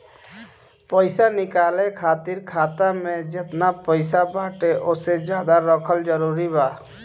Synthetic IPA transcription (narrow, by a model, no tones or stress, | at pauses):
pəɪsanɪkaːlekʰaːt̪ɪɾkʰaːt̪amẽd͡ʒɪt̪napəɪsabaːʈeʔʊsed͡ʒjaːd̪aɾəkʰəld͡ʒəɾuːɾibaː